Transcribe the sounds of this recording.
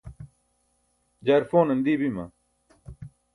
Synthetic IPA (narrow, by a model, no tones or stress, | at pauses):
d͡ʑaɾfoːnɐnd̪iːbimɐ̰